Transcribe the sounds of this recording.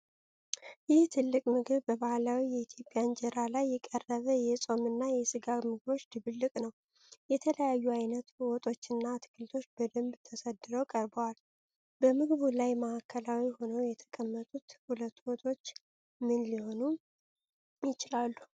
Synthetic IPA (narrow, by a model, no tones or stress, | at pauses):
jɪht̪ʰɨlːɨkʼmɨɡɨβbəβahlawijɛit̪ʰjo̞pʼjand͡ʒɛɾalajːɛkʼərːəβəjɛsʼo̞mɨnːajɛsɨɡaβmɨɡɨβo̞t͡ʃːd̪ɨβɨlːɨkʼnəw | jɛt̪ʰələjajːuajnət̪wɔt̪ʼo̞t͡ʃːɨnːat̪ʰɨ̥kʰɨlt̪ʰo̞t͡ʃːbəd̪ɨmbt̪ʰəsəd̪ːɨɾəwkʼəɾbəwal | b̥əmɨɡβulajməʔakʰːəlawiho̞nəwjɛt̪ʰə̥kʼəmːət̪ʼut̪hulət̪ːwɔt̪ʼo̞t͡ʃː | mɨnliho̞nu | jɪt͡ʃɪlalːu